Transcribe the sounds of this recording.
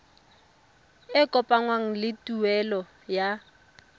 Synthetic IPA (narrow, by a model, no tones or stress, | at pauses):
ɪkʼɔpʼaŋwaŋ̩lɪtʼuɛlɔ | ja